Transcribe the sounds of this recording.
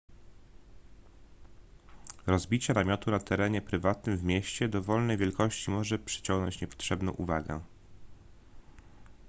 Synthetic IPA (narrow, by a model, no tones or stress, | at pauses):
ɾɔzbʲit͡ɕɛnamʲjɔt̪unat̪ɛɾɛɲɛpɾɘvat̪nɘmvmʲjɛɕt͡ɕɛd̪ɔvɔlnɛjvʲjɛlkɔɕt͡ɕimɔʐɛpʂɘ̥t͡ɕɔŋɡnɔ̰ɲt͡ɕɲɛpɔ̥t̪ʂɛbnɔ̃w̃ʔṵvaɡɛ̰